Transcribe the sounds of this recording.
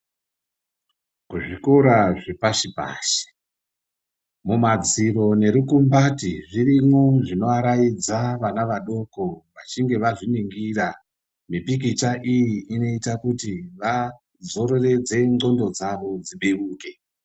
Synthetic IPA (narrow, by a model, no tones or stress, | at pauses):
kuʐiko̞ɾaʐepaʃipa̰ːʃi̥ | mumad͡ziro̞ne̞ɾukumbatiʐirimo̞ʐino̞aɾajid͡zaʋanaʋaɗo̞ko̞ʋat͡ʃiŋɡe̞ʋaʐiniŋɡira | mipik̬it͡ʃaʔijiino̞itakutiʋa | d͡zo̞ɾo̞re̞d͡ze̞ŋo̞ndo̞d͡zaʋo̞d͡ziɓiruːke̞